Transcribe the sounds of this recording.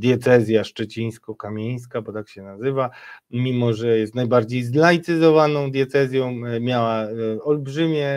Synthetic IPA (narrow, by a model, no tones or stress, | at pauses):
d̪ʲjɛt̪sɛzʲjaʂt͡ʂɛt͡ɕij̃skɔkamʲej̃skabɔt̪akɕɛnazɘvamʲimɔʐɛjɛst̪najbaɾd͡ʑejzlajt̪sɘzɔvanɔ̃w̃d̪ʲjɛt̪sɛzʲjɔ̃w̃mʲjawaɔlbʐɘmʲjɛ